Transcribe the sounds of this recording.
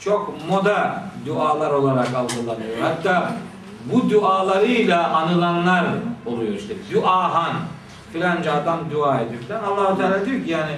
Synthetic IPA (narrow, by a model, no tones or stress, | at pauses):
t͡ʃʰokmo̞d̪ad̪uaːlˠaɾo̞lˠaɾakalˠɡɯlˠanɯjoɾhat̪ːaː | bud̪uaːlˠaɾɯjlʲˠaʔanɯlˠanlˠaɾolˠujoɾʃt̪ebd̪uʔaːɦan | filʲand͡ʒad̪amd̪uaːed̪yfilʲænalˠːaːhut̪ʰaːlʲad̪ejocʰijaːnɪ